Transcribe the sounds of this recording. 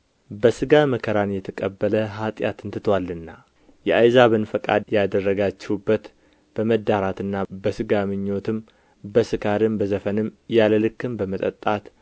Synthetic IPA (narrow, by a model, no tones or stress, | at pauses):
bəsɨɡaməkʰəɾanjɛt̪ʰəkʼəbːələɦat̪ʼjat̪ʰɨnt̪ʰɨt̪ʰwalːɨnːa | jɛʔajzaβɨnfəkʼa̰d̪jad̪ərːəɡat͡ʃːɛwubːət̪ | b̥əməd̪ːaɾat̪ɨnːabəsɨɡamɨɲːo̞t̪ʰɨm | bəsɨkʰaɾɨmbəzəfənɨmjaləlɨkːɨmbəmət̪ʼə̰t̪ʼːat̪